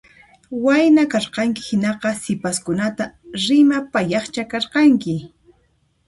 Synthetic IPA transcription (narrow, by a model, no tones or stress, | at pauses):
wajnakɑɾqɑŋkɪ̥hɪnɑqɑsɪpaskʊnat̪aɾɪmapajɑχt͡ʃakɑɾqɑŋkɪ